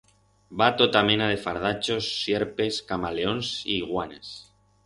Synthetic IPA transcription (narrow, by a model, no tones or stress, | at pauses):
bat̪ot̪amẽ̞nað̞e̞faɾð̞at͡ʃo̞sːjeɾpe̞skamaleo̞nsḭːɣwanes